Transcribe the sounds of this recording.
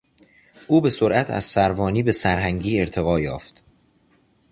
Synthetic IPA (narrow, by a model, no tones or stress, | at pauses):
ʔuːbe̞soɾʔæt̪ʰæ̰z̥sæɾvɒːniːbe̞sæɾɦæŋɟiːe̞ɾt̪ʰe̞ɣɒːjɒ̰ːft̪